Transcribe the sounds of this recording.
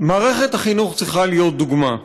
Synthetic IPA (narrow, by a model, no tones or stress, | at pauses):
maːʁe̞χet̪haχinuχt͡sʁiχalijo̞t̪̚d̪uɡma